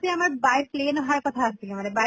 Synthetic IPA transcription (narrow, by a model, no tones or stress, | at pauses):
t̪iamaɾbajʈ̚pleːnoɦaɾkɔt̪ʰaəst̪imaneba